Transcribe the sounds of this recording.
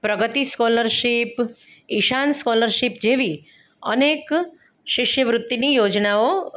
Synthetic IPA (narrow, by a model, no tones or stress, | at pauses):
pɾəɡət̪iskɔləɾʃip | iʃanskɔləɾʃipd͡ʒeʋi | ə̰nek | ʃiʃjəʋɾʊt̪ːinijod͡ʒnao